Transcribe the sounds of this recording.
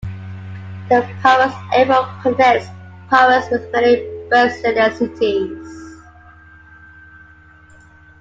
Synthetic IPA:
ðəpʰaəsɛvəpʰəzɛspʰaəzwɪðmɛnibɜˑsɪ̃nəsɪtʰiz̥

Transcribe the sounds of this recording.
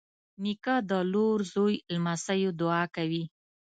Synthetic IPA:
nikad̪əloɾzojlmasajod̪ʊɑkawi

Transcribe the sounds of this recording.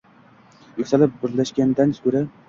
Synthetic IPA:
jʊkʲsalɪp̚bɪɾlaʃɡʲand̪anskɵɾa

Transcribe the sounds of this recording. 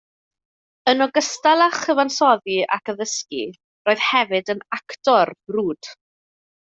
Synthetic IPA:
ənɔɡəstalˠaχəvansɔðiʔa̰kəðəskḭ | roːɨð̥hɛvɨdənaktɔrb̥ruːd̥

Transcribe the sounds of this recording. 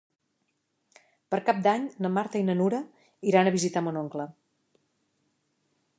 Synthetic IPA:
pəɾkap̚d̪aɲnəmaɾt̪əinənuɾə | iɾanəβizit̪amonoŋklə

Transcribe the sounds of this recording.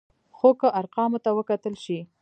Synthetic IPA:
xokəʔaɾqɑmot̪awəkat̪əlʃi

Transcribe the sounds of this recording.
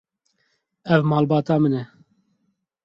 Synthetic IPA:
ɛvmɑːlbɑːt̪ɑːmɨnɛ

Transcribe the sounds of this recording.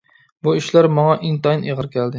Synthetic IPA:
bʊɪʃlaɾmɒŋɑʔɪnt̪ʰɑjneʁɨɾkʲʰæld̪ɪ

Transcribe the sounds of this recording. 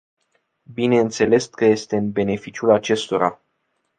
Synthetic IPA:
bine̞ɨnt̪se̞le̞skəje̞st̪e̞ɨnbe̞ne̞fit͡ʃiulat͡ʃe̞st̪o̞ɾa̰

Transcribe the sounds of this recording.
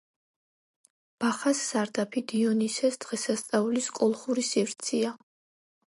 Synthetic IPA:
b̥aχasːaɾd̪apʰid̪iɔnisɛsd̪ʁɛsast̪sʼauliskʼɔlˠχuɾisivɾt̪sʰia

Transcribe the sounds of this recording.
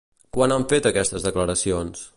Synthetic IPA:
kwanaɱfet̪əkɛst̪əzðəkləɾəsions

